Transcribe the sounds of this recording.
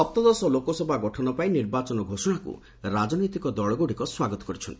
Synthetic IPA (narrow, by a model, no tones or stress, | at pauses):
ɔp̚t̪ɔd̪ɔsɔlokɔsɔbʱaɡɔʈʰɔnɔpainiɾbat͡ʃɔnɔɡʱosɔɽ̃akṵ | ɾad͡ʒɔnɔjt̪ikɔd̪ɔɭɔɡoɽikɔswaɡɔt̪ɔ̥kɔɾit͡ʃʰɔnt̪ii̥